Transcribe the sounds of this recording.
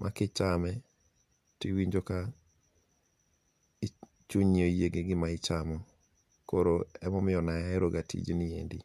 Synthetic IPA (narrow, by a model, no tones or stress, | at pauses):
mʔa̰kɪt͡ʃamɛ | tiwiɲd͡ʒoka | t͡ʃuɲniojeɡeɡɪmaɪt͡ʃamɔ | koɾoɛmɔmɪjɔnaɛɾoɡatʰḭd͡ʒnɪḛndi